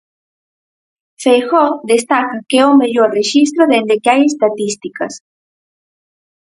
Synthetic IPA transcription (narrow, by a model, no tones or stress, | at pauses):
fejxod̪est̪akakeomeʎoɾreʃis̬t̪ɾoðend̪ekeajest̪at̪ist̪ikas